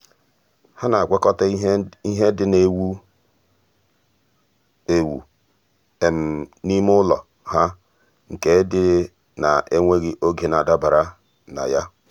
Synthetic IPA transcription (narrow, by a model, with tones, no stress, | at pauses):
ha˦na˨ɡʷe˦kɔ˦ta˦i˦ɦe˦dɪ˦ne˨wu˦ | e˨wṵ˨ | e˨m̩˨ni˦m˦ʊ˦lɔ˨ | ɦa˦ | ŋ̩˨ke˨˦dɪ˦ɾɪ˦ | na̰˨ʔe˦ŋʷe˦ɡɪ˦ʔo˦ɡe˨n˨a˨da˦ba˨ɾa˦ | na̰˨ja˦